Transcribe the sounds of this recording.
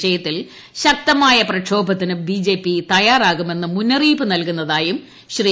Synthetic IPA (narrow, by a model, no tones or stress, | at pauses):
ɐjɐt̪ːil | ɕɐk̚t̪ɐmaːjɐprɐkʂʰo̞ːbʱɐt̪ːinubiːd͡ʑeːpːit̪ɐjaːraːɣume̞nːɨmunːɐriːbɨnɐlkunːɐðaːjum | ɕri